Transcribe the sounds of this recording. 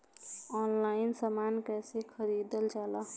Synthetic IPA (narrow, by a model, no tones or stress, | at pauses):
ɔnlainsəmankɛsekʰəɾid̪əld͡ʒalə